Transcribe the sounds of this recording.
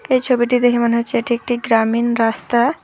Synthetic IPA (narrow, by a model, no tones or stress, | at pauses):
ejt͡ɕʰobiʈid̪ekʰemoneɦoeeʈiek̚ʈiɡɾaminɾast̪a